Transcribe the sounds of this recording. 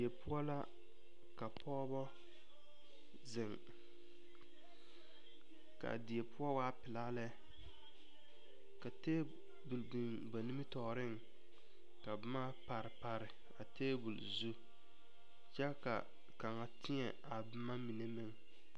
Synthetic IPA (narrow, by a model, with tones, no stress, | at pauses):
ɪ˨ɛ˨pʊ˦ɔ˦la˦ | ka˨pʰɔː˦bɔ˦ | zɪ˨ŋ | ka̰˨dɪ˨ɛ˨pʊ˦ɔ˦waː˦pɪ˨la˦lɛ˦ | ka˨teː˦ | bu˨ldi˨n | ba˨ni˦mɨ˦tɔ˨ɾɪ˦ŋ | ka˨bɪ˦ma˦pa˨ɾɪ˨pa˨ɾɪ˨ | a˨teː˦bu˨lzu˦ | t͡ʃɛ˦ka̰˨ | ka˨ŋa˨tʰɪ˦ɲɛ˨a˨bɨ˦ma˦mi˨ne˦mɪ˦ŋ